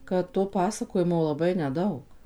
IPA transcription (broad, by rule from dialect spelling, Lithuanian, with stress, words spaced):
ˌkɐt toː pɐˈsɑːkoːjɪmoː lˠɐˈbɐɪ nʲɛˈdɐʊk